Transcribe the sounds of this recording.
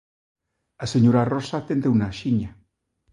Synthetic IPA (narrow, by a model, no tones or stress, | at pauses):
aseɲoɾarosat̪end̪ewnaʃiɲa